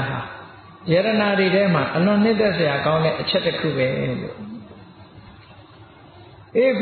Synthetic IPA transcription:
ɦa˨ | jɛ˨ɾəna˨ɾe˨ɾɛ˦m̥a˨ʔəlʊ̃˨n̥ɪ̃˦nt̪ɛ˦ʔsə˨ja˨kã˦ʊ̃ndɛ̰˦˨ʔət͡ɕʰɛ˦ʔtːəkʰṵ˦˨bɛ˦lo̰˦˨ | ʔe˦˨k

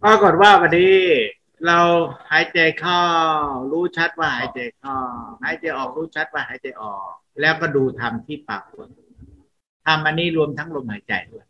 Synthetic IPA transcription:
paː˧ko˨˩t̪̚waː˥˩wa˧˩diː˧ | ɾa˧whaː˨˩˦jt͡ɕa˨˩jkʰa˥˩wɾuː˦˥t͡ɕʰa˦˥t̪̚waː˥˩haː˨˩˦jt͡ɕa˨˩jkʰa˥˩whaː˨˩˦jt͡ɕa˨˧jʔɔː˨˩k̚ɾuː˦˥t͡ɕʰa˦˥t̪̚waː˥˩ɦaː˩˦jt͡ɕa˨jʔɔː˨˩k̚lɛː˦˥wkɔː˥˩duː˧t̪ʰa˧mt̪ʰiː˥˩paː˨˧˩p̚u˨˩ən | t̪ʰa˧mʔa˧nːiː˦˥˩ɾu˧əmt̪ʰa˦˥ŋlo˧mhaː˩˦jt͡ɕa̰˨˩jtː

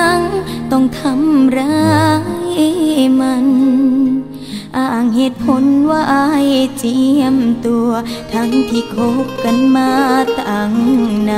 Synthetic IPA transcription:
a˧ŋt̪ɔ˧˩ŋt̪ʰa˧mɾa˧˦jma˧n | ʔaː˧˩ʔa˧˩ŋhe˨˧˩t̪̚pʰo˨˦nwaː˧ʔa˧˥jt͡ɕi˧˦əmt̪u˧ɐt̪ʰa˧˥ŋt̪ʰiː˧˩kʰo˧˦˥p̚ka˧˩nmaː˧t̪a˨˩ŋna˧

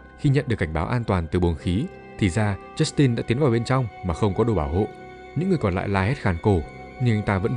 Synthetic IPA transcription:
xi˧ɲə̰˧˨nɗɨ˨˩əkːŋ̟ɓaː˨˦wʔaː˧nt̪waː˨˩nt̪ɨ˨˩ɓu˨˩ənxi˨˦ | t̪ʰi˨˩zaː˧t͡ɕɛ˦˥st̪i˧nɗa̰ː˧˥t̪i˨˦ənvaː˨˩wɓe˧nt͡ɕɔ˧wŋ͡mmaː˨˩xə˧wŋ͡mkɔ˨˦ɗo˧˩ɓaː˧˩wɦo̰˧˨ | ɲɨ̰˧˥ŋː˨˩əkɔ˨˩nl̰ːjlaː˧he˦˥t̚xaː˨˩nko˧˩ | ɲɨ˧ʔa˧jŋ̟t̪aː˧və̰˧˥

